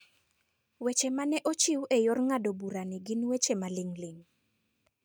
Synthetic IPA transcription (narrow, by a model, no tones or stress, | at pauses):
wet͡ʃemanɛʔot͡ʃiwʔejɔrŋadobuɾanɪɡɪnwet͡ʃemaleŋleŋ